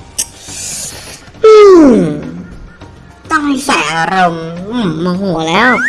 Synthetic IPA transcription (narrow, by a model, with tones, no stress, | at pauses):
ʔɯː˧˩ | t̪ɔ˥˩ŋha˥˩sɛː˩˦ʔa˧ɾo˧mʔɯ˥˧˩mːaː˧ɦu˩˦lɛː˦˥w